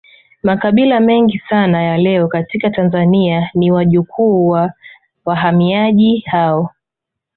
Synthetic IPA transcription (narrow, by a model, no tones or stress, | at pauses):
makaɓilamɛŋɡisanajalɛɔkatikatanzanianiwaʄukʰuːwa | waɦamiaʄihaɔ